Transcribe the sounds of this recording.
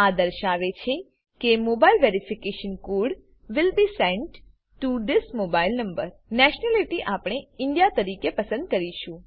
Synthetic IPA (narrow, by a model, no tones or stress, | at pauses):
ad̪əɾʃaʋet͡ʃʰe | kemobailʋeɾifikeʃənkoɽ | ʋɪlbisɛ̃ɳʈ | ʈːuɖɪskmobailnəmbəɾnɛʃnɛliʈiʔapɽeɪɳɖjat̪əɾikepəsə̃nd̪̚kəɾiʃũ